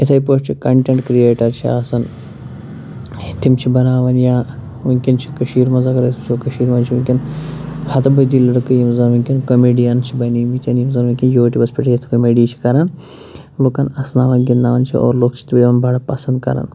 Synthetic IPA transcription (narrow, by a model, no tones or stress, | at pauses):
it̪ʰɐipost͡ʃʰikɐɳʈeɳʈkɾieːʈɐɾt͡ʃʰia̰ːsɐn | it̪ʰimt͡ʃʰibɐnaːʋɐnjaː | uŋkʲint͡ʃʰi̥kɐʃiːɾmɐzakɐɾt̪ʰimt͡ʃʰokɐʃiːɾmɐnt͡ʃʰiuŋʲkʲinhɐt̪ɐbɐd̪iːlɐɽkɨjimzɐnʋuŋʲkʲinkɐmeːɖijɐnt͡ʃʰibɐniːmit̪ʲɐnjimzɐnʋiŋʲkʲinjoːʈibɐspiʈɐt̪ʰkɐmeːɖiːt͡ʃʰi̥kɐɾɐn | loːkɐnɐsnaːʋɐnɡinːaːʋɐnt͡ʃʰḭo̰ːɾloːkt͡ʃʰi̥t̪bɐjʋɐnbʱɐɽɐpɐsɐnd̪kɐ̰ɾɐ̰n